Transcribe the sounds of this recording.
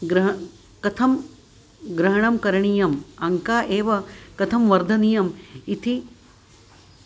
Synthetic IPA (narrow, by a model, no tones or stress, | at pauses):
ɡɾɐɦ | kɐt̪ʰɐm | ɡɾɐɦɐɳɐmkɐɾɐɳijɐmɐŋkaːʔeːʋɐkɐt̪ʰɐmʋɐɾd̪ʱɐnijɐmit̪ʰi